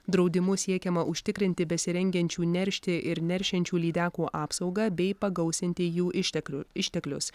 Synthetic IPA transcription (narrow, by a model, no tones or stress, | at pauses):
d̪ɾɒʊd̪ʲɪmʊsʲiɛkʲɛmɐʔʊʃʲt̪ʲɪkɾʲɪnʲt̪ʲɪbʲɛsʲɪɾʲɛŋʲɡʲɛnʲt͡ʃʲuːnʲɛɾʲʃʲt̪ʲɪʔɪɾnʲɛɾʲʃʲɛnʲt͡ʃʲuːlʲiːd̪ʲæːkuːʔɑːpsɒʊɡɐbʲɛɪpɐɡɐʊsʲɪnʲt̪ʲɪjuːʔɪɪʃʲt̪ʲɛklʲʊ̰s